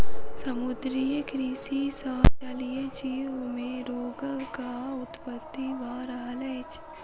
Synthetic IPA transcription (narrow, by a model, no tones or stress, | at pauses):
sɐmʊd̪ɾijəkɾisisaːt͡ʃɐlijed͡ʒiːʋmẽɾoːɡəlkaʊt̪pət̪ːiʋaːɾaːleːt͡ʃ